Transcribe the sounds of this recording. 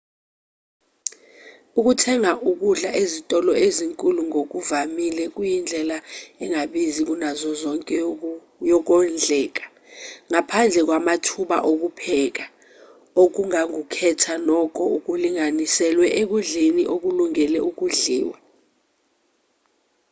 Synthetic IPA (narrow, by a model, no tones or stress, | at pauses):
uk̬utʰɛŋaʔuk̬uɮaʔezitʼɔlɔeziŋkʼuluŋok̬uvamilɛk̬ʼujind͡ɮʱɛlaɛŋaɓizik̬unazɔzɔŋkʼɛ | jɔk̬ɔnd͡ɮʱɛːk̬ḁ | ŋapʰand͡ɮʱɛk̬wamatʰuɓa̰ʔok̬upʰɛːk̬a | ok̬uŋaŋukʰɛtʰanɔk̬ʰʼɔuk̬uliŋanisɛlwɛʔek̬uɮeniʔok̬uluŋɛlɛʔuk̬uɮiːwa